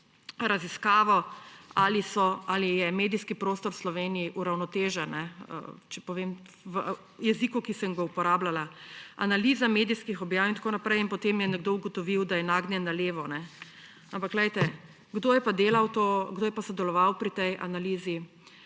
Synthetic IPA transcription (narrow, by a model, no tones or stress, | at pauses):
ɾaziskaːʋɔalisɔalijɛmeːd̪iskipɾoːst̪ɔɾwslɔʋeːniiʔuɾawnɔt̪eːʒanːɛə̰t͡ʃɛpɔʋem | ʋə | jɛzikukisɛŋɡɔupɔɾaːblala | a̰nalizameːd̪iskixɔbjaːwint̪ḁkoːnapɾɛjinpɔt̪emjɛnɛɡd̪oːuɡɔt̪ɔʋiwd̪ajɛnaːɡnjɛnːaleːʋɔnɛ | ampakɡlɛjt̪ɛ | ɡd̪oːjɛpad̪eːlawt̪oɡd̪oːjɛpasɔd̪ɛlɔʋawpɾit̪ɛjʔa̰naliːzi